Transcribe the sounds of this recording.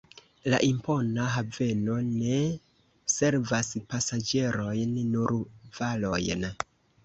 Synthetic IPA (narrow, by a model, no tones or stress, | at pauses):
laʔimpo̞naɦave̞no̞ne̞ | se̞ɾvaspasad͡ʒe̞ɾo̞jnːuɾvalo̞jn